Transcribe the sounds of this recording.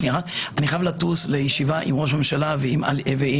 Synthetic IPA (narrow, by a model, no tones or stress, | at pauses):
niʁaʔaniχajavlatuslejeʃivaʔimʁo̞ʃ̬amemʃalaveima̰levei